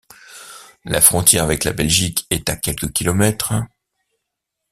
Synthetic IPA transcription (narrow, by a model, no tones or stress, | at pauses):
la̰fχɔ̃t̪jɛʁavɛkla̰bɛlʒikɛt̪akʲɛlkəkʲilɔmɛt̪χ